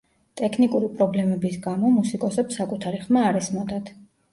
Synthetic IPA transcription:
t̪ʼɛkʰnikʼuɾipʼɾɔblɛmɛbisɡamɔmusikʼɔsɛpsakʼut̪ʰaɾiχmaːɾɛsmɔd̪ad̪

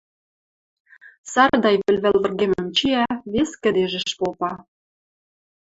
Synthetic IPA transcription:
sɑrd̪ɑjβɘ̆lβɘ̆lβə̆rɣemə̆mt͡ɕiæβeskə̆d̪eʒə̆ʃpopɑ

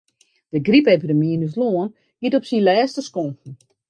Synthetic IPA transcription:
d̥əɡripepidəminys̬loən | ɡ̥itɔpsinlɛːstəskɔŋkn̩

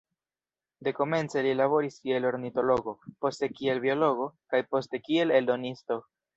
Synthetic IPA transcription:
de̞ko̞me̞nt͡se̞lilaβo̞ɾiskie̞lo̞ɾnito̞lo̞ɡo̞po̞ste̞kie̞lbio̞lo̞ɡo̞kajpo̞ste̞kie̞le̞ldo̞nisto̞

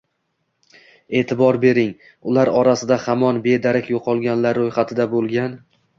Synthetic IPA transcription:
e̞ːt̪ʰɪbɒɾbe̞ɾɪŋ | ʊlaɾɒɾasɪd̪ahamɒnbe̞d̪aɾakʲjoqʰɒlˠɡʲanlaɾːojχat̪ʰɪd̪abolˠɡʲan

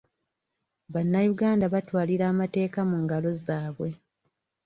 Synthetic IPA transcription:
βanːajuɡaːndaβatwaːliɾaːmate̞ːkamuŋɡalo̞zaːβwe̞

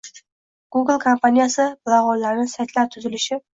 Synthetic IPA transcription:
ɡ̥uɡɪlˠkʰompʰanijasɪb̥lˠaʁɒllːaɾnɪsajt̪ʰlaɾt̪ʰʊzɪlɪʃɪ

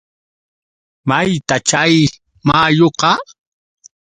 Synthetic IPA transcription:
majt̪at͡ʃaj | maːjoqɑ

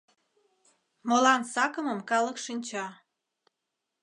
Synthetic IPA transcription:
molɑnsɑkəməmkɑləkʃinʲt͡ɕɑ

